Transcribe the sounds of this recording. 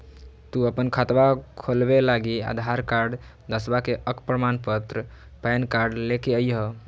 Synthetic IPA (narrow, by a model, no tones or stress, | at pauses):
t̪uəpənkʰat̪ʋakʰolbelaɡia̰d̪ʱaɾkaɾɖ | d̪əsbakeʔəkpɾəmanpət̪ɾə | pɛnkaɾɖlekeəjɦə